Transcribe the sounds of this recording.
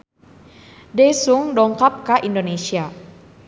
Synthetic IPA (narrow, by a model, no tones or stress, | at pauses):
dɛsuŋdɔŋkap̚kaʔindonesia